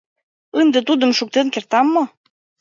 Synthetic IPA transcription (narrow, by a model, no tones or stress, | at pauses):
ənd̪et̪ud̪ə̆mʃuk̚t̪enkert̪ɑmːo